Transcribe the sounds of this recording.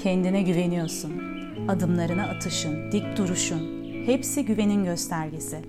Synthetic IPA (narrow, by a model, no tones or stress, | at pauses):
cʰɛnd̪inɛɟyve̞nijo̞ɾsun | ad̪ɯmlˠaɾɯnaːt̪ʰɯʃɯnd̪ic̚d̪uɾuʃun | hepsiɟyve̞ninɟø̞st̪ʰæɾɟesɪ